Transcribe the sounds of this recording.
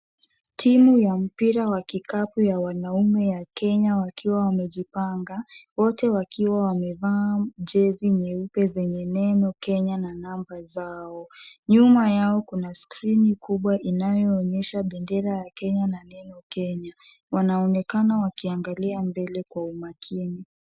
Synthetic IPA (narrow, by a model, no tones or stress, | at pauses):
tʰimujam̩piɾawakikapujawanaumɛjakɛɲawakʰiwawamɛʄipaŋɡawɔtɛwakʰiwawamɛvaːʄɛziɲɛupɛzɛɲɛnɛnɔkɛɲananambazaɔɲumajaɔkunaskɾinikuɓwaʔinajɔːɲɛʃaɓɛndɛɾajakɛɲananɛnɔkɛɲa | wanaɔnɛkanawakiaŋɡaliambɛlɛkwaumakʰini